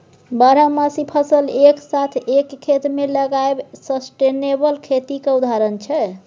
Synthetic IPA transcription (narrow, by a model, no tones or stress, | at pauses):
baɾamasipʰəsəleksat̪ʰekʰːet̪meləɡaebsəsʈenebəlkʰet̪ikeud̪ʱaɾənt͡ʃʰɛ